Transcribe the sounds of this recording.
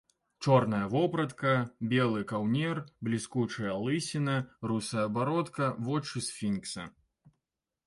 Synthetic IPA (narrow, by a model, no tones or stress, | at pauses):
t͡ʂɔrnɐjɐvɔpɾɐt̪kɐbʲɛlˠɨkawnʲɛrblʲiskut͡ʂɨjɐlˠɨsʲinɐrusɐjɐbaɾɔt̪kɐvɔt͡ʂɨsfʲinksɐ̰